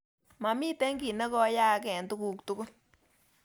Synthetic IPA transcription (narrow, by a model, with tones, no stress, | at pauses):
ma˨mi˦tɛ˦ŋɡi˨ne˦kɔ˧˦ja˦kɛ˨ntu˦ku˨ktu˨˦ku˦